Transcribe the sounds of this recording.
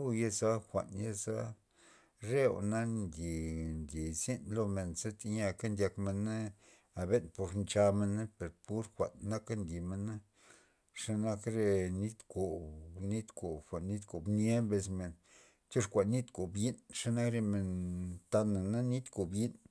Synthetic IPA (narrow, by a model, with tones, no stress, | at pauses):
u˦˧je˦˧za˦xʷa̰˨nje˦za˦ | ɾe˦o̰˨na˦nd̪ʲi˨nd̪ʲi˨zi˦nlo˧me˨nze˦t̪i˧ɲa˧ka˦nd̪ʲa˧kme˧na˦ | a˨be˦npo˧ɾnt͡ʃa˧me˧nːa˦pe˨ɾpu˦ɾxʷa̰˨nːa˦ka˦nd̪ʲi˨me˧na˦ | ʂa˧na˧kɾe˧ni˦t̪ko˨bni˦t̪ko˨bxʷa˨nːi˦t̪ko˨bne˦mbe˧sme˨n | t̪ʲo˦ʂkʷa˨nːi˦t̪ko˨bji˦nʂa˧na˦kɾe˧me˧nt̪a˧na˨na˦ni˦t̪ko˨bji˦n